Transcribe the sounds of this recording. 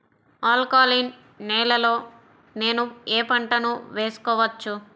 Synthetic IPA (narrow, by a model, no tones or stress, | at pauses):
aːlkaːlinː | ɛːlɐlo̞ː | ne̞ːnueːpɐɳʈɐnuʋe̞ːsu̥kɔːʋɐt͡ʃːu